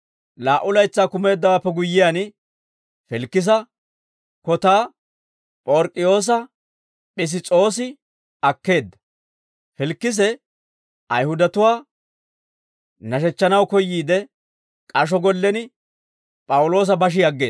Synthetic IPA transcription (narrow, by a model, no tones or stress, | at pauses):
laːʔʊlɐjt͡sːaːkʊme̞ːd̪ːɐwaːpːɛɡʊjːɪjaːn | fɪlkːɪs̬ɐ | kɔt̪aː | pʼoɾkʼːɪjo̞ːs̬ɐ | ɓɪs̬ɪt͡sʼo̞ːsɪ | ɐkːe̞ːd̪ːɐ̥ | fɪlkːɪs̬ɛ | ʔɐjhʊd̪ɐt̪ʊwaː | nɐʃɛt͡ʃːɐnɐwkɔjːiːd̪ɛ | kʼɐʃ̬ɔɡɔlːɛnɪ | pʼɐwʊlo̞ːs̬ɐbɐʃ̬ɪjɐɡːe̞ː